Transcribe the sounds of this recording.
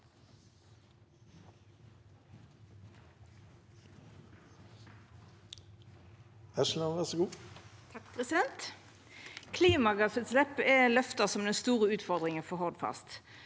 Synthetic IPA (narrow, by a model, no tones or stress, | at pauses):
æʃn̩ɑʋæʁsɔɡuːt̪ʰɑk̚pʰʁɛsɪd̪ɛnt̪ | kʰliːmɑɡɑsət̪slɛpɛlœft̪əsɔmd̪ɛnst̪uːʁəʉːt̪fɔʁd̪ʁɪŋənfɔɦoːd̪fɑ̰st̪